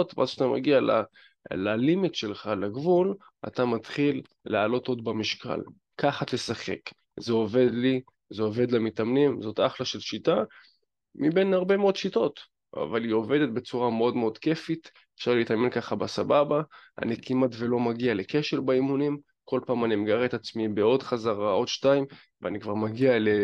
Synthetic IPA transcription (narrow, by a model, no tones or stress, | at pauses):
ot̪v̰azʃat̪amʔa̰ɡiala̰ | lalimitʃe̞lχaleɡvul | a̰t̪amat̪χilː | ealo̞t̪o̞d̪bamiʃka̰l | kaχat̪e̞saχe̞̰k | zeo̞ve̞d̪li | zeo̞ve̞d̪lamit̪amnimzo̞t̪aχlaʃe̞lʃita | mibe̞nhaʁbe̞meo̞d̪ʃito̞t̪ | a̰valio̞ve̞d̪et̪̚be̞t͡suʁameo̞d̪meo̞d̪ke̞fit̪ | efʃaʁleit̪ame̞nkaχabasababaʔa̰nikimatve̞lo̞maɡialekeʃeʁbaimunim | ko̞lpaːmanimeɡaʁet̪at͡smibeo̞d̪χazaʁao̞d̪ʃtaim | veanikvaʁmaɡiale